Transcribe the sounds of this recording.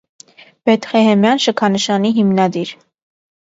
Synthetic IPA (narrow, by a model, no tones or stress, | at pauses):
bɛt̪χɛɦɛmjɑnʃəkʰɑnəʃɑniɦimnɑd̪iɾ